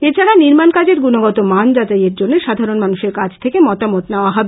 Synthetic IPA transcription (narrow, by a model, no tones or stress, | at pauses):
et͡ɕʰaɾaniɾmankad͡ʑeɾɡunoɡɔt̪omand͡ʑad͡ʑajeɾd͡ʑonːeʃad̪ʱaɾonmanuʃeɾkad͡ʑt̪ʰekemɔt̪amot̪neoaɦɔbe